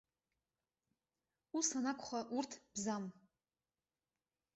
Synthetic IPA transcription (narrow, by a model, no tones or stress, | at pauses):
usanakʷʰχʷaʔurtʰb̥zam